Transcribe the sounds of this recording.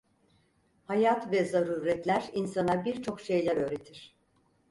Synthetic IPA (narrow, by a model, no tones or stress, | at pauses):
hajat̪vɛzaɾuːɾɛt̪lʲæɾinsanˠaɾbiɾt͡ʃʰo̞kʃe̞jlʲæɾø̞ːɾet̪ʰiɾ̥